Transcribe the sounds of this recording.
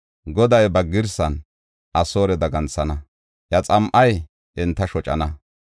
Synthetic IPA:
ɡɔd̪ɐjbɐɡɪɾsɐn | ʔɐsoːɾɛd̪ɐɡɐnt͡sːɐnɐ | jɐt͡sʼɐmʔɐj | ʔɪnt̪ːɐʃɔt͡ʃʼɐ̰nɐ

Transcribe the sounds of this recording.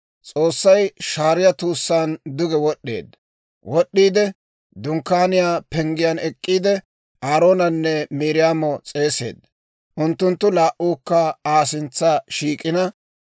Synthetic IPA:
t͡sʼo̞ːsːɐjʃaːɾɪjɐt̪uːsːaːnd̪ʊɡɛwɔɗːḛːd̪ | wɔɗːiːd̪ɛ | d̪ʊŋkːaːnɪjaːpɛŋɡɪjɐnɛkʼːiːd̪ɛ | aːɾo̞ːnɐnːɛmiːɾɪjaːmɔt͡sʼe̞ːse̞̰ːd̪ | ʔʊnt̪ːʊnt̪ːʊlaːʔuːkːɐaːsɪnt͡sːaʃiːkʼɪnɐ

